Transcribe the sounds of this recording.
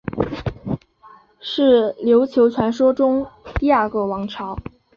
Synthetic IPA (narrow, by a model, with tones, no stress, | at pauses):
ʂɻ̩˥˩ljo˧˥ʊt͡ɕʰjo˧˥ʊt͡sʰwa˧˥nʂwɔ˥ʈ͡ʂʊ˥ŋt̪i˥˧a˥˩kɤ˥˩wɑ˧˥ŋʈ͡ʂʰɑ˧˥ʊ